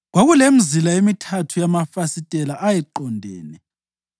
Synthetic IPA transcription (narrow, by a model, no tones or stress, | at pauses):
ɣwaɣulem̩zilaemitʰatʰujamafasitʼɛlaʔajɛǃɔndʱɛːnɛ